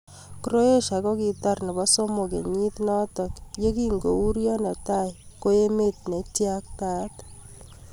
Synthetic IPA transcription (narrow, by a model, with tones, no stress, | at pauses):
kɾo˦e˦ʃa˨ko˦ki˨t̪a˦rnɛ˨bɔ˦so˦mo˨ke˨ɲi˦t̪nɔ˦tɔ˨kje˦ki˦ŋɡo˨u˦ɾjɔ˦nɛ˨ta˦jko˦e˦me˦t̪̚ne˨tja˦k̚ta˦t̪